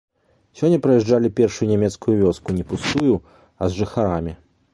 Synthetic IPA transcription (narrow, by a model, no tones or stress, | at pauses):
sʲɔnʲːɐpɾɐjɛʐd͡ʐalʲipʲɛrʂujunʲamʲɛt̪skujuvʲɔskunʲɛpust̪uju | ɐzʐɨxaɾamʲi